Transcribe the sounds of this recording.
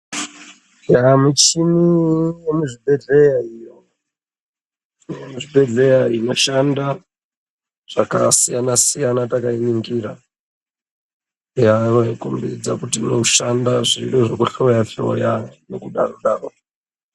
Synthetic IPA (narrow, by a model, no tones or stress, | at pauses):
jamut͡ʃimijemuʐibʱe̞ɮe̞jaijo | emuʐibe̞ɮe̞jaino̞ʃanda | ʐ̥aka̰sijanasijanatakainiŋɡiɾa | arekumbid͡zakutinouʃandaʐiɗoʐokuɬo̞jaɬo̰janekuɗa̰roɗaːro